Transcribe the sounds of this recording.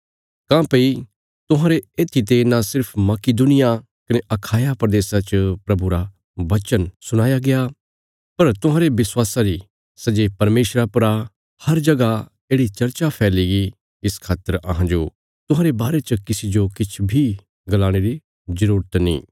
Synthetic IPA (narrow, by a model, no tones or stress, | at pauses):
kãːpɐi | t̪ʊɦãːɾeeːt̪ʰːit̪̬enasɪɾpʰmɐkɪd̪ʊnɪja | kɐneʔɐkʰaːjapɾɐd̪eːsat͡ʃəpɾɐbʱuɾa | ʋɐt͡ʃənsʊɽ̃aːjaɡeja | pɐɾt̪ʊɦãːɾebɪswaːsaɾi | sɐd͡ʒepɐɾmeːʃɾapɐɾa | hɐɾd͡ʒɐɡa | eːɽit͡ʃɐɾt͡ʃapʰɛːliɡi | ɪskʰaːt̪əɾɐɦãd͡ʒo | t̪ʊ̃ɦãːɾebaːɾet͡ʃəkɪsid͡ʒokɪt͡ʃʰbʱi | ɡɐlaːɽ̃eɾi | zɐɾuːɾət̪nḭ̃ː